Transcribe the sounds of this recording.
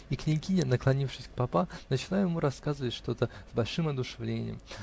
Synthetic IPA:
iknʲɪkʲinʲɪnəklˠɐnʲifʂɨsʲk̚pɐpanət͡ɕɪlˠajʊjɪmuɾɐskazəvətʲʂt̪o̞t̪əzbɐlʲʂɨmɐd̪ʊʂɨvlʲenʲɪ̰jə̰m

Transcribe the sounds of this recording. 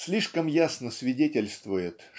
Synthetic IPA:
sʲlʲiʂkəmjasnəsvʲɪdʲetʲɪlʲst̪vʊjɪt̪

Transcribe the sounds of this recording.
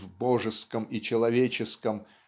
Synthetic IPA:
vboʐɨskəmit͡ɕɪlˠɐvʲet͡ɕɪskəm

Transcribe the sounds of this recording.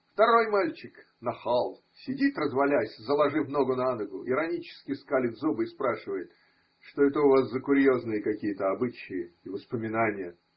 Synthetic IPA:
ft̪ɐɾo̞jmalʲt͡ɕɪk | nɐxalˠ | sʲɪdʲit̪rəzvɐlʲæsʲzəlˠɐʐɨvno̞ɡʊnanəɡʊʔɪɾɐnʲit͡ɕɪ̥skʲɪskalʲɪd̪zubɨɪspɾaʂɨvəjɪt̪ | ʂt̪oɛt̪əʊvaszəkʊɾʲjoznɨjəkɐkʲijət̪əɐbɨt͡ɕɪjɪːvəspəmʲɪnanʲɪjə

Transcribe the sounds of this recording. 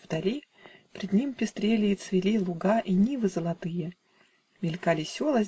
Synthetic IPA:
vd̪ɐlʲi | pʲɾʲɪd̪nʲimpʲɪst̪ɾʲelʲɪːt̪svʲɪlʲilˠʊɡaʔinʲivɨzəlˠɐt̪ɨjə | mʲɪlʲkalʲɪsʲolˠəz

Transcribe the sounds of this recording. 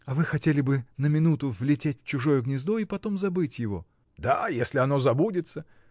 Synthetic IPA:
ɐvɨxɐtʲelʲɪbɨnəmʲɪnut̪ʊvlʲɪtʲetʲft͡ɕʊʐo̞jʊɡnʲɪzd̪o̞ipɐt̪o̞mzɐbɨtʲjɪvo̞̰ | d̪ajesʲlʲɪɐno̞zɐbudʲɪt̪sə

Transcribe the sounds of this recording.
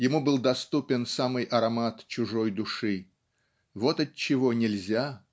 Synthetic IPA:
jɪmubɨlˠd̪ɐst̪upʲɪnsamɨjʔɐɾɐmat̪t͡ɕʊʐojd̪ʊʂɨ | vo̞t̪ɐt̚t͡ɕːɪvo̞nʲɪlʲzʲa

